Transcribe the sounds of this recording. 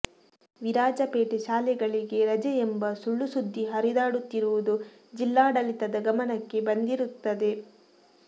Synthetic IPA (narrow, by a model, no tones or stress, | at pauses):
ʋiɾaːd͡ʒɐpeːʈeʃaːlɛɡɐɭiɡe̞ɾɐd͡ʒɐembɐsuɭːusud̪ʱːiɦɐɾid̪aːɽut̪ːiɾuʋud̪u | d͡ʒilːaːɽɐlit̪ɐd̪ɐɡɐmɐnɐkːe̞bɐnd̪iɾut̪ːɐd̪e̞